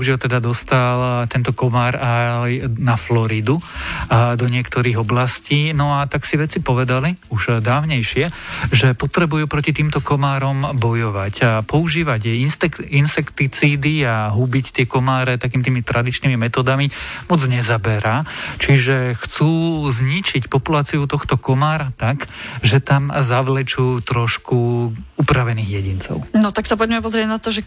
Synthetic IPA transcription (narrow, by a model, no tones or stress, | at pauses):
uʒɪalt̪ɛd̪ad̪ɔst̪alt̪ɛnt̪ɔkɔmaːɾajnaflɔɾid̪u | d̪ɔɲɪɛkt̪ɔɾiːɣɔblasciːnɔat̪aksiʋɛt͡sipɔʋɛd̪aliuʒd̪aːʊɲɛjʃɪɛʒɛpɔt̪ɾɛbujupɾɔcit̪iːmt̪ɔkɔmaːɾɔmbɔjɔʋacapɔuʒiːʋaɟɛint̪ɛinsɛkt̪it͡siːd̪iaɦubict̪ɪɛkɔmaːɾɛt̪ak̬iːmit̪iːmit̪ɾʔad̪it͡ʃniːmimɛt̪ɔːd̪amimɔd͡zɲɛzabɛɾaːt͡ʃiʒɛxt͡suːzɲit͡ʃicpɔpulaːt͡siut̪ɔxt̪ɔkɔmaːɾat̪aɡʒɛt̪amzaʋlɛt͡ʃuːt̪ɾɔʃkuupɾaʋɛniːɣjɛɟint͡sɔ̰ʊnɔt̪aksapɔɟmɛpɔzɾɪɛɟnat̪ɔʒɛ